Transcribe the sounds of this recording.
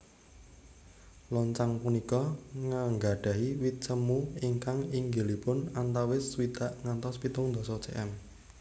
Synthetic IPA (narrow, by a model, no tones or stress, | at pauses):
lɔɲt͡ʃaŋpunikɔŋəŋɡaɖ̥ä̤ɦiwit̪̚t͡ʃəmuiŋkaŋiŋɡelipʊnant̪awɪswit̪aʔŋant̪ɔspit̪ʊŋnd̪ɔ̤sɔt͡ʃeʔɛm